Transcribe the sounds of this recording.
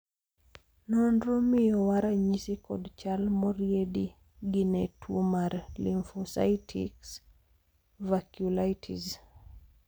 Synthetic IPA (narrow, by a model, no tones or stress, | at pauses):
nɔndɾomɪjɔwaɾaɲisikɔ̰dt͡ʃalmɔɾjedi | ɡɪnɛtʰwomaɾliɱfɔsa̰jtʰḭks | vakjulatʰḭz